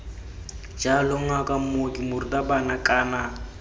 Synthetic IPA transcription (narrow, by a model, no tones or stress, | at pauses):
d͡ʒalɔŋ̩akʼamoɡimʊridabanakʼaːna